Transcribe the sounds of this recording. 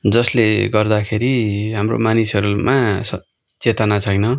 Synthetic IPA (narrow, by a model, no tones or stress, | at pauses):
d͡zʌsleɡʌrd̪akʰeɾiɦamro̰manisʌɾumasʌ | t͡set̪ʌnat͡sʰajnʌ